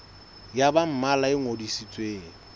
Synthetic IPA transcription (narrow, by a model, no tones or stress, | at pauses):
jabam̩malaɪŋodisit͡sʼweːŋ̩